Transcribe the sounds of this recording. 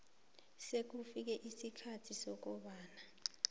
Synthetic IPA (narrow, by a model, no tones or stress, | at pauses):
sek̬ufik̬ɛʔisikʰatʰisɔk̬ɔɓaːna